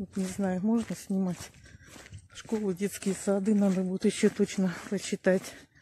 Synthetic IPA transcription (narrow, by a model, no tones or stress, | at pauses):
ʋot̪nʲɪznajʊmo̞ʐnəsʲnʲɪmatʲ | ʂkolˠʊdʲe̞t̪skʲɪjəsɐd̪ɨnad̪əbud̪ʊt̪jɪɕːot̪ot͡ɕnəpəɕːɪt̪atʲ